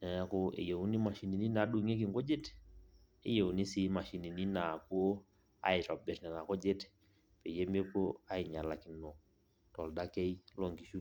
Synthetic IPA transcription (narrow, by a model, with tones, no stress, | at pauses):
na˨ja˦ko˦ḛ˨je˨u˦ni˦ma˨ʃi˨ni˨ni˦na˨˦ɗu˦˨ŋe˦k̬i˨ŋɡo˦d͡ʒe˦t | e˦je˨u˨ni˦si˦ma˨ʃi˨ni˨ni˦na˨ko˦ | a̰˦ɪ˨tɔ˨bɛ˨tnɛ˨na˨kɔ˦d͡ʒe˦t | pe˨je˦me˦ko˦a˦i˨ɲa˨la˨ki˨nɔ˨ | tɔ˨lda˦kɛ˦i˦lɔ˨ŋɡi˨ʃu˦